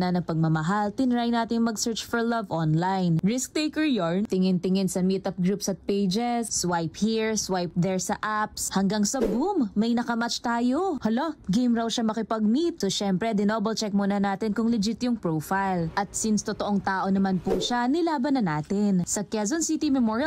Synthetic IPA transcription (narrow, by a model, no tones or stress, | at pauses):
nɐnɐŋpɐɡ̚mɐmɐɦalt̪ɪnɪɾajnaːt̪ɪŋmɐɡsɛɹt͡ʃfɔɹlɐvʔonlajnɹɪsk̚t̪ejkɛɹjont̪ɪŋɪnt̪ɪŋɪnsɐmit̪ɐp̚ɡɾupsɐt̪̚pejd͡ʒɛsːwajphiɹswajp̚d̪ɛɹsɐʔapshɐŋɡaŋsɐbumːɐjnɐkɐmat͡ʃt̪aːjohɐloɡejmɾɐwʃamɐkɪpɐɡ̚mit̪̚soʃɛmpɾɛd̪ɪnoːbɐlt͡ʃɛk̚monɐnaːt̪ɪnkʊŋlɪd͡ʒɪt̪jʊŋpɹowfajlʔɐt̪̚sinst̪ot̪oʔoŋt̪aːʔo̞nɐmanpuʃanɪlaːbɐnɐnaːt̪ɪnsɐkɛzonsit̪imɛmoɹjɐ